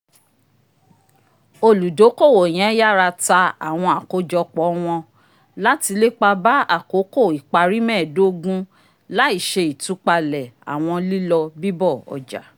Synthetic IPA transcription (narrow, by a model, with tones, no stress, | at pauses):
o˧lu˨do˨˦ko˦˨wo˨j̃ɛ̃˨˦ja˦˨ɾa˧ta˧a̰˨w̃ɔ̃˧a˨ko˨˦d͡ʒɔ˧k͡pɔ˨˦w̃ɔ̃˧ | la˦ti˧le˦k͡pa˧ba˦a˦˨ko˨˦ko˦˨i˨k͡pa˧ɾi˦mɛ̃ː˦˨do˦ɡũ˦ | la˦i˦˨ʃe˧i˨tu˨˦k͡pa˧lɛ˨a̰˨w̃ɔ̃˧li˦lɔ˧bi˦bɔ˦˨ɔ̰˨d͡ʒa̰˨